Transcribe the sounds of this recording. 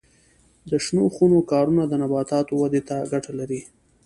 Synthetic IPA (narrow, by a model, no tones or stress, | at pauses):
d̪əʃnoxunokɑɾunad̪ənabɑt̪ɑt̪owad̪et̪aɡaʈalaɾi